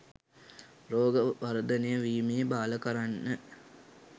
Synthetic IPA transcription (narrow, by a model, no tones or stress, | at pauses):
roːɡəʋɐɾəd̪ənejəʋiːmijəbaːləkəɾanːə